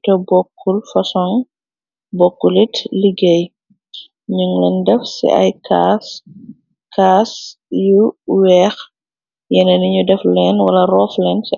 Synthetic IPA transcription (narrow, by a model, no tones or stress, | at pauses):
tɔbɔkʰːulfɐsɔŋ | bɔkːulitliɡej | ɲuŋlɛndɛfsḭɐ̰jkas | kʰaːs | juwɛx | jɛnɛniɲudɛflɛnwɐlɐrɔːflɛnsi